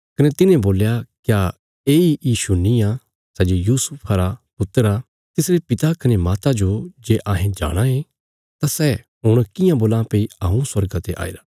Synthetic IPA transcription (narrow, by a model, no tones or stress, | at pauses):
kɐnet̪ɪnẽboːljakja | eːijiːʃunĩã | sɛːd͡ʒojuːsʊpʰaɾapʊt̪əɾa | t̪ɪsɾepɪt̪akɐnemaːt̪ad͡ʒod͡ʒeːʔaːɦẽd͡ʒa̰ːɽ̃ãɦe | t̪asɛ | ɦʊɽ̃kɪjãboːlãpeːiaːũswɐɾɡat̪eʔa̰ːḭɾa